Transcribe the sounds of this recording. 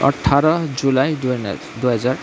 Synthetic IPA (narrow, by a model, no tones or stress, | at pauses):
ʌ̰ʈʰːaɾʌd͡zulaj̰ | d̪uɦʌd͡zaɾ